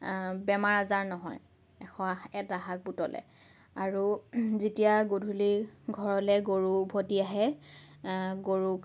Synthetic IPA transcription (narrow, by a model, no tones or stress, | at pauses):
bɛmaɹazaɹnɔɦɔ̰j | ɛxɔ̃aɛtaɦak̚butɔlɛ̰ | aɹuzitijaɡodʱuliɡʱɔɹɔlɛɡoɹubʱotiaɦɛ | ɡoɹuk